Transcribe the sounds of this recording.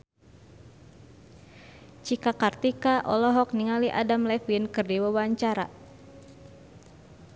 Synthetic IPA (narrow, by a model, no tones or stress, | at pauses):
t͡ʃikakart̪ikaʔɔlɔɦɔk̚niŋaliʔa̰damlɛfinkɨrdiwawaɲt͡ʃaɾa̰